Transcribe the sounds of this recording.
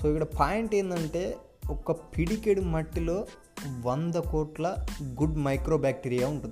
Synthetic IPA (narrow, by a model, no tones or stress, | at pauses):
soːikːɐɽɐpʰaːjiɳʈeːnd̪ɐɳʈe̞ː | ɔkɐpiɽikeɽmɐʈːiloː | ʋɐnd̪ɐkɔːʈlɐɡuɖmɐjkɾoːbaːk̚ʈiɾijɐːuɳʈund̪i